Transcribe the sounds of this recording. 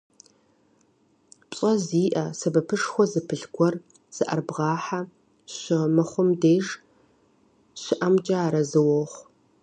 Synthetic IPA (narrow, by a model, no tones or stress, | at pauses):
pʼɕʼɐziːʔɐsɐbɐpʰɨʂxʷɔzɨpʰɨɬɡʷɔr | z̥ɨʔɐ̰rbʁɑːħa | ɕɪmɨχʷʊmdeːʒ | ɕɪʔɐmd͡ʒʼaaːɾɐzɨwɔχʷ